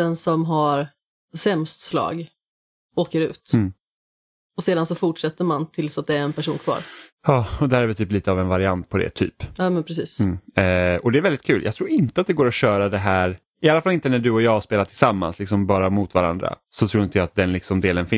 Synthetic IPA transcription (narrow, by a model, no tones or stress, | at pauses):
ɛnsɔmɦaɾ | sɛmst̪slɑ̰ːɡ | oːkəɾʉ̟ːt̪m̩ː | ɔseːd̪ansɔfʊʈʂɛt̪ːəɾmant̪ʰɪlsat̪̚d̪ɛæɾɛnpʰæʂuːnkʰv̥ɑ̰ːɾjɑːɔd̪ɛæɾæɾvɪt̪ʰyːpliːt̪əavɛnvaɾɪant̪̚pʰɔd̪ɛ̰t̪ʰy̰ːpɑːmɛnpʰɾɛs̬iːsm̩ː | ɔd̪ɛæɾvɛld̪ɪt̪̚kʰʉ̟ːljʔɑːt̪ʰɾuːɾɪnt̪əat̪̚d̪ɛɡoːɾɔɕœːɾad̪ɛɦæːɾ | ɪalːafalːɪnt̪ənæɖɵɔjɑːaʂpeːlat̪ʰɪlsamːa̰nslɪksɔmbɑːɾamʊt̪vaɾa̰nd̪ɾa̰ | sɔt̪ʰɾuːɾɪnt̪əjaat̪̚d̪ɛnlɪksɔmd̪eːlənfɪ